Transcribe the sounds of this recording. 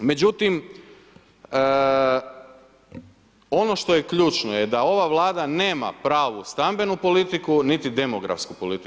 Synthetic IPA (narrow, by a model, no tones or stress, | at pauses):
me̞d͡ʑut̪im | o̞no̞ʃt̪o̞jekʎuːt͡ʃnojed̪ao̞ʋaʋlˠaːd̪ane̞ːma̰pɾaːʋust̪ambe̞nupo̞lit̪ikunit̪id̪e̞mo̞ɡɾa̰fskupo̞lit̪i